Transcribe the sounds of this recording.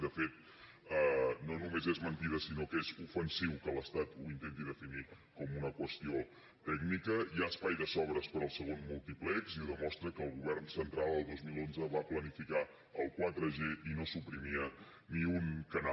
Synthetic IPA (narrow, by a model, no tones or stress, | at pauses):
d̪əfet̪̚ | ənonumezezmənt̪iðəsinokezufənsiwkələst̪at̪uint̪ent̪iðəfini | kɔmunəkwəst̪io | t̪ɛɡnikəiaəspajðəsɔβɾəspəɾəlˠsəɣ̞onmulˠt̪iplɛkziuðəmɔst̪ɾəkəːlˠɣuβ̞ɛrnsənt̪ɾalˠd̪əlˠd̪ozmilˠonzəβaplənifika | əlˠkwat̪ɾəʒeʔinosupɾimiə | niuŋkəna